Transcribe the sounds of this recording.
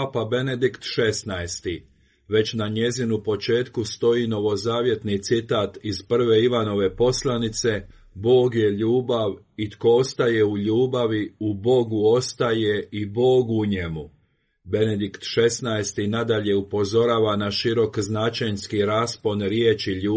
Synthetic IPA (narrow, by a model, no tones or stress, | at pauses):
apabe̞ne̞d̪ikt̪ʃe̞snajst̪i | ʋe̞t͡ɕnaɲe̞zinupo̞t͡ʃe̞ːt̪kust̪o̞jino̞ʋo̞zaːʋje̞t̪nit̪sit̪aːt̪izpr̩ʋe̞iʋano̞ʋe̞po̞slˠanit̪se̞ | bo̞ːɡje̞ʎuːbaʋ | it̪koost̪aje̞uʎuːbaʋiubo̞ɡuo̞st̪aje̞ibo̞ːɡuɲe̞mu | be̞ne̞d̪ikt̪ʃe̞snajest̪inad̪aʎe̞upo̞zo̞ɾaːʋanaʃiɾo̞kznat͡ʃejnskiɾaːspo̞nɾjet͡ʃiʎuː